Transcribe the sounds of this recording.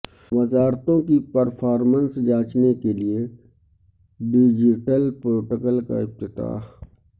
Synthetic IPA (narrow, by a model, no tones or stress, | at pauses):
ʋɐzaːɾt̪õkipəɾpʰaːɾmə̃nsd͡ʒãːt͡ʃnekelie | ɖɪd͡ʒɪʈəlpɾoːʈəkəlka̰ɪp̚t̪ɪt̪a̰ːɦ